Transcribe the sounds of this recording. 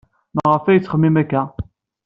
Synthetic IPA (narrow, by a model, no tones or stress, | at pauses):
mʁəfæjət͡sːχəmːimækːæ